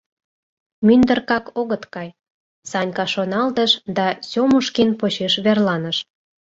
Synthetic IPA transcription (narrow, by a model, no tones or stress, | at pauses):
mynd̪ə̆rkɑkoɣət̪kɑj | sɑnʲkɑʃonɑlt̪əʃd̪ɑsʲomuʃkinpot͡ɕeʃβerlɑnəʃ